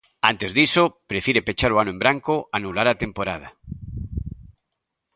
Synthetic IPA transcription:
ant̪ezðisopɾefjiɾepet͡ʃaɾoanoembɾaŋkoʔanulaɾat̪empoɾað̞a

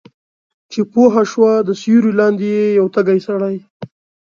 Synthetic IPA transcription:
t͡ʃepoɦaʃwad̪əsjuɾilɑnd̪ejejawt̪aɡajsaɽaj

